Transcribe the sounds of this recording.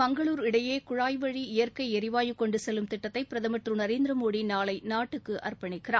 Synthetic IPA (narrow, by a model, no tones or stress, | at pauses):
mɐŋɡɐɭuːɾɪɽɐjeːkʊɻaːjʋɐɻiɪjɐrkɐɪɛɾɪʋaːjɯkːɔɳɖɯsɛlːɯmt̪ɪʈːɐt̪ːɐɪpːɪɾɐðɐmɐʈrɯnɐɾeːnd̪ɪɾɐmoːɽinaːlɐɪnaːʈːɯkːɯʔɐ̰rpɐɳɪkːɪraː